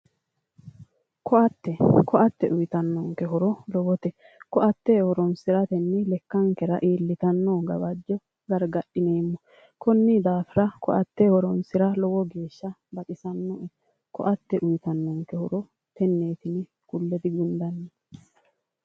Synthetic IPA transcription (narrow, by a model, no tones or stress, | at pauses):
kʰɔʔɐt̪ːɛkɔʔɐt̪ːɛʔʊjt̪ɐnːɔŋkɛɦɔɾɔlɔwɔt̪ɛ | kɔʔɐt̪ːeːhɔɾɔnsɪɾɐt̪ɛnːɪlɛkːɐŋkɛɾɐʔiːlːɪt̪ɐnːoːɡɐ̰bɐd͡ʒːɔ | ɡɐɾɡɐɗɪneːmːɔ | kɔnːid̪aːfɪɾɐkɔ̰ʔɐt̪ːehɔɾɔnsɪɾɐlɔwɔɡe̞ːʃːɐbɐkʼɪsɐnːɔʔɛ | kɔ̰ʔɐt̪ːɛʔʊjt̪ɐnːɔŋkɛhɔɾɔ | t̪ɛnːe̞ːt̪ɪnɪ | kʊlːɛd̪ɪɡʊnd̪ɐnːɛ